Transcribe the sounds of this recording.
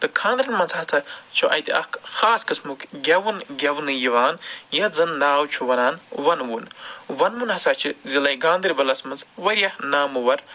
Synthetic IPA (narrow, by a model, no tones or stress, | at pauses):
t̪ɨkʰãːnd̪ɾʲɐnmɐnzɦɐt̪ʰɐt͡ʃʰuʔɐ̰jt̪ʲiɐ̰kxaːskɨsmukɡʲɐʋunɡʲɐwnɨjiʋaːnjɐzɨnd̪aːwt͡ʃʰuʋɐnaːnʋɐnwunʋɐnmunɦɐsat͡ʃʰɨzilɐjɡaːnd̪ɨɾʲibɐlɐsmɐnzʋɐɾʲjɐhnaːmɨʋɐɾ